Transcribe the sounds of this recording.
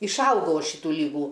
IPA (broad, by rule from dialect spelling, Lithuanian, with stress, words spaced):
ɪʃˈɐʊɡɐʊ ˈɐʃ ˈʃʲiːtuː ˈlʲiːɡuː